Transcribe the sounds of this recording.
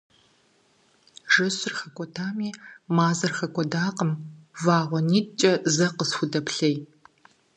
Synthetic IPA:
ʒɨsɨrχɐkʷʼɔtʰaːmiːmaːzɐrχɐkʷʼɔdaːqəmvaːʁʷɔniːt͡ʃʼɐzɐqəsxʷʊdɐpɬɐj

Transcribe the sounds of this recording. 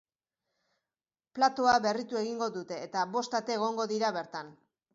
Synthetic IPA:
plat̪o̞aβe̞rit̪ue̞ɣ̞iŋɡo̞ðut̪e̞ːt̪aβo̞st̪at̪e̞ːɣ̞o̞ŋɡo̞ðiɾaβe̞ɾt̪an

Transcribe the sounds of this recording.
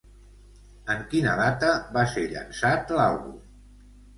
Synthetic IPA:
əŋkinə̰ðat̪əβaseʎə̰nsat̪lalˠβṵm

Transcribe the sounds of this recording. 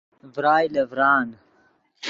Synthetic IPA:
vɾaːjlɐvɾaːn

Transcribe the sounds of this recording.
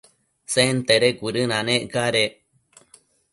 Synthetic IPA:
sent̪eɾeɡʷiɾɨnãnẽʔɡaɾe

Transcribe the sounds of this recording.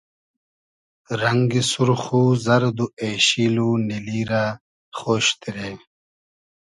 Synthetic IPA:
ɾɐŋɡisuɾxuːzɐɾd̪ueːɕiːluniliːɾa | χoːɕt̪iɾeː

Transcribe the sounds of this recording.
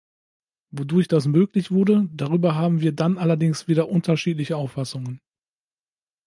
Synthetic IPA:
vodʊɐçd̥asmøːklɪçv̥ʊɐdədaʁ̞yːbɐɦaːbm̩viːɐdanʔalɐdɪŋsv̥iːɾɐʔʊntɐʃiːtlɪçəaʊfasʊŋən

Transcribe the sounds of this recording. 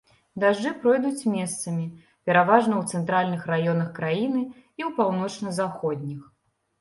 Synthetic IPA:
d̪aʐd͡ʐɨpɾɔjd̪ut͡sʲmʲɛst̪sɐmʲi | pʲɛɾavaʐnɐwt̪sɛnt̪ɾalʲnɨxrajɔnɐxkɾajin̪ɨ | iwpawnɔt͡ʂnɐzaxɔd̪ʲnʲix

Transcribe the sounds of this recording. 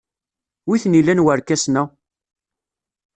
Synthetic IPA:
wiθnilːænwəɾkːæsnæ

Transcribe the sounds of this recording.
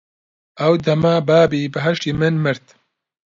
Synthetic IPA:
ʔɐwd̪ɐmaːbaːbiːbɨɦɐʃt̪iːmɨnmɨɾt̪

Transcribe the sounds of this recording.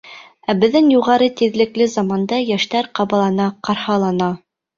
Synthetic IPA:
æbɘ̆ðːɘŋjuʁɑɾɤt̪iðlɘ̆klɘzɑmɑnd̪ɑjæʃt̪æɾqɑβɑlˠɑnɑqɑɾhɑlˠɑnɑ

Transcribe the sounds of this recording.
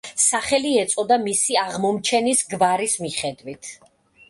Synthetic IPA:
saχɛliɛt̪sʼɔd̪amisiaʁmɔmt͡ʃʰɛnisɡvaɾismiχɛd̪wit̪ʰ

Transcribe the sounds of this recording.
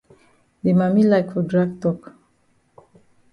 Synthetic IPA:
demamilaɪkfɔdɹaɡ̚tɔk

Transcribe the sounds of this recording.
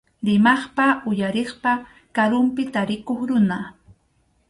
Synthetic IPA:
ɾɪmɑχpaʊjaɾeχpa | kaɾʊmpɪt̪aɾɪkoχɾʊna

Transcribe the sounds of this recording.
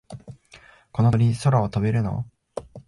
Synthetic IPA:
konoɾʲiso̞ɾaot̪obe̞ɾɯ̟no̞̰

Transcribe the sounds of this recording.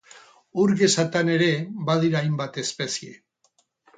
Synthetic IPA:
uɾɣe̞sat̪ane̞ɾe̞βað̞iɾaːjmbat̪e̞spe̞siḛ

